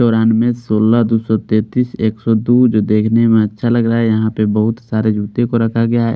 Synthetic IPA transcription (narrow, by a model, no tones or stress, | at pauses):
ɔːɾaːnmẽsoːləɦd̪usɔt̪eːt̪iːseːksɔd̪ud͡ʒoːd̪eːkʰnemẽɐtːʃʰalɐɡɾaaɦɛjɐɦãpebɐɦʊt̪saːɾed͡ʒuːt̪ẽkoɾɐkʰaɡɐjaɦɛ̰ː